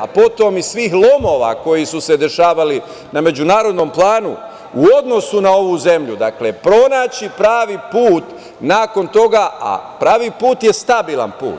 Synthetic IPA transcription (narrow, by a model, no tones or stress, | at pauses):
a̰po̞t̪o̞misʋiːxlˠo̞mo̞ːʋa̰ko̞jisuse̞d̪e̞ʃaːʋali | name̞d͡ʑunaːɾod̪no̞ːmplˠaːnṵ | uo̞d̪no̞sunao̞ʋuze̞mʎud̪aklepɾo̞naːt͡ɕipɾaːʋipuːt̪ | naːko̞nt̪o̞ɡaa̰pɾaːʋipuːt̪je̞st̪abiːlˠa̰npṵːt̪